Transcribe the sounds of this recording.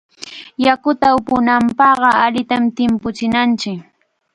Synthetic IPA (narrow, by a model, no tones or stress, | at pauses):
jakʊt̪aʊpʊnampɑɢɑaʎɪt̪amt̪ɪmpʊt͡ʃɪnant͡ʃɪk